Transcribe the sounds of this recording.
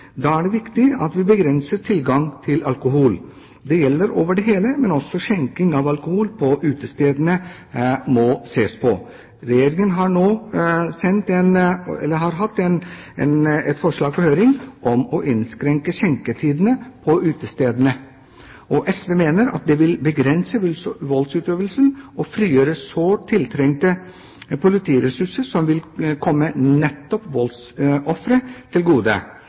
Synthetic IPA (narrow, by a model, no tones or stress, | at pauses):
d̪ɑːæɖɛʋɪkt̪ɪɑt̪ʋɪbəɡɾɛnsəʈʰɪlɡɑŋt̪ʰɪlɑlkʊɦuːl | d̪ɛjɛlːəɾoːʋəɖɛɦeːləmɛnɔsːɔɕɛŋkɪŋɑʋɑlkʊhuːlpʰɔʔʉːt̪əst̪eːd̪nə | mɔseːspʰɔ̰ | ɾɛjeːɾɪŋənɦɑɳoːsɛnt̪ɛnɛ̰lːəɦɑɾɦɑt̪ːɛnɛnɛt̪fɔʂɭɑːɡ̚pʰɔhøːɾɪŋʔɔmɔʔɪnskɾɛŋkəɕɛŋkət̪ʰiːd̪ənəpʰɔʉːt̪əst̪eːd̪ənə | ʔɔʔɛsʋeːmeːnəɾɑ̰t̪̚d̪ɛʋɪlbəɡɾɛnsəʋʉlʋɔlt̪sʉːt̪øːʋəlsənɔfɾiːjøːɾəsoːt̪ʰɪlt̪ʰɾɛŋt̪ə | pʊlɪt̪ʰiːɾɛsʉʂəɾʂɔmʋɪlkʰɔmːənɛt̪ːɔpʋɔls | ɔfɾət̪ʰɪlɡuːd̪ə̰